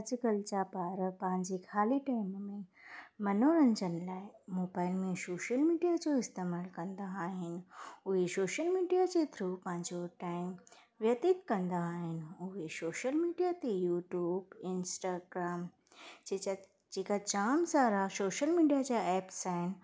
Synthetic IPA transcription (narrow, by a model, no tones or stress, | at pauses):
d͡ʑɪkəlt͡ɕapaːɾpɐ̃ɦɪ̃ɲd͡ʑexʰaːliʈaːɪmmẽ | mɐnoːɾɐ̃nd͡ʑənɪ̆laːɪmoːbaːɪlmẽsoːʃəlmiːɖijad͡ʑoːɪst̪eːmaːlkɐ̃nd̪aaːɦɪnɪ̆ʊɦesoːʃəlmiːɖijad͡ʑet̪ʰɾupɐ̃ɦɪ̃ɲd͡ʑoʈaːɪm | ʋjɐt̪ɪt̪kɐ̃nd̪aːɦɪnɪ̆ʊɦesoːʃəlmiːɖijat̪ejuːʈjuːbɪnsʈaːɡɾaːm | d͡ʑeːkat͡ɕaːmsaːɾasoːʃəlmiːɖijad͡ʑaɛːpsaɦɪnɪ̆